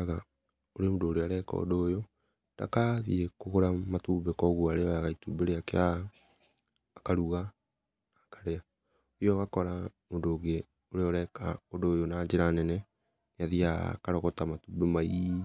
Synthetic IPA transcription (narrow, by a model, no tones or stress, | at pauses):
aɣa | oɾemodoːɾeaɾɛkɔ̰doːjo | nd̥a̰kaðiekoɣoɾamatubekɔɣwuaɾeɔjaɣaitubeɾeakea | kaɾuɣaː | kaɾea | ojɔɣakɔɾamodoːɡe | oɾeɔɾɛka̰odoːjonaːɲd͡ʒeɾanɛnɛ | naðia̰kaɾɔɣɔtamatubemai